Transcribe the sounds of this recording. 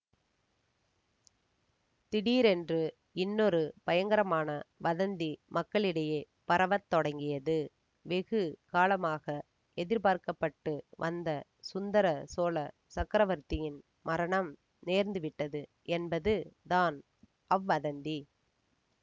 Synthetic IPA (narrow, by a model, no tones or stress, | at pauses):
t̪ɪɽiːɾɛndrɯ | ɪnːɔɾɯpɐjɐŋɡɐɾɐmaːnɐʋɐðɐnd̪imʔɐkːɐɭɪɽɐjeː | pɐɾɐʋɐt̪ːɔɽɐŋɡɪjɐðɯ | ʋɛɣɯkaːlɐmaːɣɐ | ɛðɪɾbaːɾkɐpːɐʈːɯʋʔɐnd̪ɐsʊnd̪ɐɾɐsoːlɐ | sɐkɾɐʋɐɾt̪ːɪjɪn | mʔɐɾɐɳɐm | neːɾnd̪ɯʋɪʈːɐðɯ | ɛnbɐðɯðaːn | ɐʋːɐðɐnd̪i